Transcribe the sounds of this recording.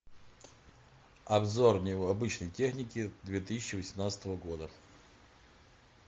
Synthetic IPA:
ɐbzornʲɪɐbɨt͡ɕnəjtʲexnʲɪkʲɪd̪vʲet̪ɨsʲɪ̥t͡ɕːɪvəsʲɪmnat̪sə̥t̪əvəɡo̞d̪ə

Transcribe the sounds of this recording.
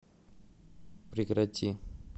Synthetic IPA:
pɾikɾɐtʲi

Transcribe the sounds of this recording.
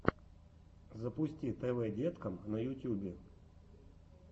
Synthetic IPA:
zɐpʊsʲtʲit̪ɛvɛdʲet̪kɐmnɐjʊtʲjubʲɪ

